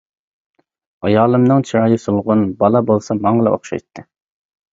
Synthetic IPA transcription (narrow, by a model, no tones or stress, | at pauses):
ɑjɑːlˠɨmnɨŋt͡ʃʰiɾɑːjisolˠʁʊnbɑlˠɑbolˠsɑmɑŋəlˠɛ̰ʔo̰χʃɑ̰jt̪ʰːɨ